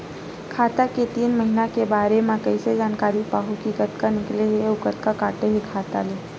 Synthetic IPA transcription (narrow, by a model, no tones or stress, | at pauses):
kʰaːt̪aket̪iːnməɦinakebaːɾemãkəɪsed͡ʒaːnkaːɾipaːɦukikət̪kanɪkleɦeʊkət̪kakaːʈeɦekʰaːt̪aleː